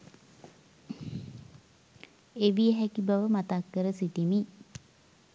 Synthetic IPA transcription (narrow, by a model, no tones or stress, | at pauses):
eʋijəɦækibaʋəmat̪akːəɾəsit̪imi